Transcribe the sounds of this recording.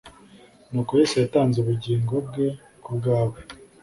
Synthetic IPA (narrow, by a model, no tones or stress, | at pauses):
nukujesejataːnzuβuɟiːŋɡo̞b̚ɡe̞ | kub̚ɡaːβe